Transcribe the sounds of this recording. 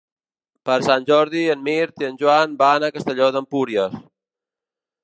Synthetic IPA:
pəɾsanʲʒɔɾðiənmiɾt̪iənʲʒwanbanakəst̪əʎoðəmpuɾjəs

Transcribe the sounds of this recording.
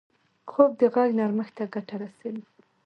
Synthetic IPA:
kʰob̚d̪əɣaɡnaɾməxt̪aɡaʈaɾasawi

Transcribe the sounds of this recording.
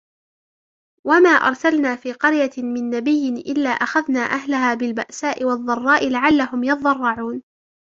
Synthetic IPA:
wamaːʔɑ̰ɾˤsalnaːfiːqɑɾjamɪnːabɪjːɪnʔɪlːaːʔaxaðnaːʔaɦlahaːbɪlbaʔsaːʔɪwɑðˤːɑrˤːɑːʔɪlaʕalːahʊmjɑðˤɑrˤːɑʕuːn

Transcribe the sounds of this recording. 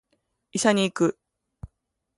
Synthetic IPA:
isaɲ̟iːkɯ̟

